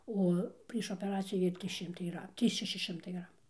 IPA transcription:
ˈoː pʲrʲiɛʃ oːpʲɛˈrɑːt͡sʲɪjuː ˈʋʲeːlʲ ˈtʲrʲiːs ˈʃʲɪmtɐɪ iːˈrɐ ˈtʲiː ˈʃʲæːʃʲɪ ˈʃʲɪmtɐɪ ˈɡrɑːmuː

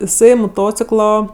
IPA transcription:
ɪˈsɐɪ moːˈtoːt͡sʲɪklˠoː

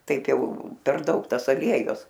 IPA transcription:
ˈtɐɪp ˈjɛʊ pʲɛr ˈdɐʊk ˈtɐs ɐˈlʲiɛjʊs

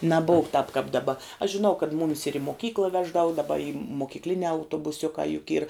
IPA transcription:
nɐˈboːw k tɑːp kɑːp dɐˈbɐ ɐʃ ʒʲɪˈnɐʊ kɐt ˈmʊmʲɪs ɪr ɪ moːˈkʲiːklˠɐ ˈʋʲæːʒdɐʋɐ dɐˈbɐ ɪ moːkʲiːkˈlʲɪnʲæː ɐʊtoːbʊˈsʲʊkɑː jʊk iːr

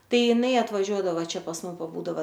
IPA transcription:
ˈtɐɪ jɪˈnɐɪ ɐtʋɐˈʒʲuɔdɐʋoː ˈt͡ʃʲɛ pɐs ˈmʊm pɐˈbuːdɐʋɐ

